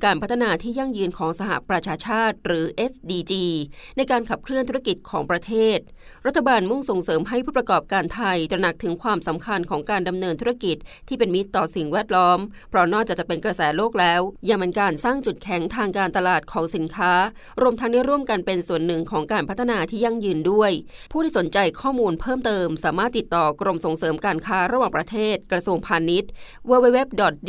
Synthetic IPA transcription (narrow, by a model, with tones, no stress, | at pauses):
kaː˧npʰa˦˥t̪ʰːa˧naː˧t̪ʰiː˥˩ja˥˩ŋjɯː˧nkʰɔː˩˦ŋsa˧ha̰˨˩pɾa˧t͡ɕʰaː˧t͡ɕʰaː˥˩t̪̚ɾɯː˩˦ʔe˦˥sdiː˧t͡ɕiː˧na˧jkaː˧nkʰa˨˩p̚kʰɾɯ˥˩nt̪u˦˥a˥˧ki˨˩t̪̚kʰɔː˩˦ŋpɾa˧t̪ʰeː˥˩t̪̚ | ɾa˦˥t̪ʰːa˧baː˧nmu˥˩ŋso˨˩ŋsɤː˩˦mɦa˥˩jpʰuː˥˩pɾa˧kɔː˨˩p̚kaː˧nt̪ʰa˧jt̪ɾa˧na˨˩k̚t̪ʰɯ˩˦ŋkʰwaː˧msa˩˦mkʰa˧nkʰɔː˩˦ŋkaː˧nda˧mnɤː˧nt̪ʰu˦˥a˥˩ki˨˩t̪̚ʰːiː˥˩pe˧nmi˦˥t̪ːɔː˨˩si˨˩ŋwɛː˥˩t̪̚lɔː˦˥m | pʰɾɔ˦˥nɔː˥˩k̚t͡ɕa˨˩t͡ɕa˨˩pe˧nkɾa˧sɛː˩˦loː˥˩k̚lɛː˦˥wja˧ŋme˧nkaː˧nsaː˥˩ŋt͡ɕu˨˩t̪̚kʰɛ˩˦ŋt̪ʰaː˧ŋkaː˧nt̪a˧laː˨˩t̪̚kʰɔː˩˦ŋsi˨˩˦nkʰaː˦˥ | ɾu˧əmt̪ʰa˦˥da˥˩jɾu˥˩əmka˧npe˧nsu˨˩ənːɯ˨˩ŋkʰɔː˩˦ŋkaː˧npʰt̪ʰːa˧naː˧t̪ʰiː˥˩ja˧˩ŋjɯː˧ndu˥˩əjpʰuː˥˩tʰiː˥˩so˩˦nt͡ɕa˧jkʰɔː˥˩muː˧npʰɤː˥˩mt̪ɤː˧msaː˩˦maː˥˩t̪ːi˨˩t̪ːɔː˨˩kɾo˧mso˨˩ŋsɤː˩˦mkaː˧nkʰaː˦˥ɾa˧waː˨˩ŋpɾa˧t̪ʰeː˥˩t̪̚kɾa˧su˧əŋpʰaː˧ni˦˥t̪̚weː˧we˦˥we˦˥p̚dɔ˨˩t̪̚